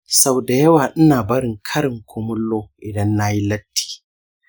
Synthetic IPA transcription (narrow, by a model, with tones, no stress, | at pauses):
sa˦wda˨jɐ˦waː˨ʔ̩˦naː˨bɐ˦ɾɪ˨ŋkʰɐ˦ɾɪ˨ŋkʰʷo˦mʊ˦lːoː˦ʔɪ˨dɐ˦nːa˦ji˦lɐ˦tːi̥ː˨